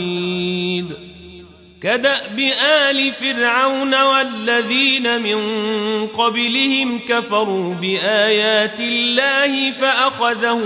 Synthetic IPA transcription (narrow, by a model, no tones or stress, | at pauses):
id̪ | kad̪aʔbɪʔaːlɪfɪɾʕawnawalːaðiːnamɪnqɑblɪhɪmkafɑɾˤuːbɪʔaːjaːt̪ɪlːaːhɪfaʔaxaðah